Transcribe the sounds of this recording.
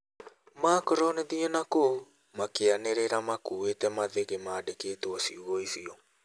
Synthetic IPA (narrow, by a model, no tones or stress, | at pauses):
maːkɔɾɔnɛðiɔnako | makeaneɾeɾamakuwetɛmaðeɣemaːdekeːtoɔsiuɣɔisiɔ